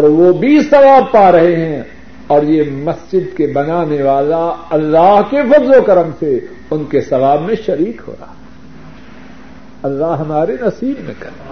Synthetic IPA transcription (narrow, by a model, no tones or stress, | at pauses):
ɔːɾʋobʱisɐʋaːb̚paːɾɐɦeɦɛ̃ | ɔːɾjemɐsd͡ʒɪd̪̚kebɐnaːneʋaːlaɐlːaːɦkefɐzlokɐɾəmse | ʊnkesɐʋaːbmẽʃɐɾiːkɦo̰ːɾa̰ː | ɐlːaːɦɦɐmaːɾenɐsiːbmḛ̃kɐɾe